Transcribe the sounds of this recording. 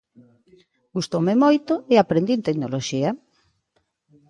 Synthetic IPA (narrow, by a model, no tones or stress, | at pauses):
ɡ̥ust̪owmɪmojt̪oɪapɾend̪int̪eknoloʃiɐ